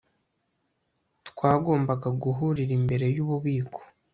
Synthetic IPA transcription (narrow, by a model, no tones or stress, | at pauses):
tkwaːɡo̞ːmbaɡaɡuɦuɾiɾimbe̞ɾe̞juβuβiːkʰo̥